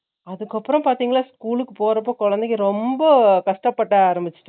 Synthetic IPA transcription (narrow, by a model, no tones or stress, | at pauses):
ɐðɯkːɐpːɯɾɐ̃mpaːɾt̪iːŋɡɐɭaːskuːlɯkːɯpoːɾɐp̬ːoːkɔɻɐnd̪ɛkːɯɾɔmbɐkɐʂʈɐpːɐʈːaaːɾɐmbɪt͡ʃːɯ̥ʈːɯ